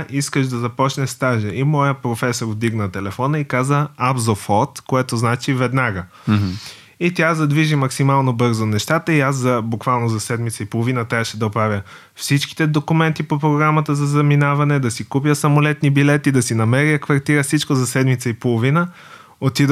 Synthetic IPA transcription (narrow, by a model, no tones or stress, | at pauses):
ʔiskəʃd̪ɐzɐpɔt͡ʃnɛst̪aʒəʔimɔjəpɾofɛsoɾvd̪iɡnət̪ɛlɛfɔnəikazəabzofɔt̪koɛt̪oznat͡ʃivɛd̪naɡə | it̪ʲjazɐd̪viʒimɐksimalˠnobɤɾzonɛʃt̪at̪əiaszɐbukvalˠnozɐsɛd̪mit̪səipolˠovinət̪aʃɛd̪ɐopɾavʲjə | fsit͡ʃki̥t̪ɛd̪okʊmɛnt̪ipopɾoɡɾamət̪əzɐzɐminavɐnɛd̪ɐsikupjəsɐmolɛt̪nibilɛt̪id̪ɐsinɐmɛɾiəkvɐɾt̪iɾəfsit͡ʃkozɐsɛd̪mit̪səipolˠovinə | ot̪id̪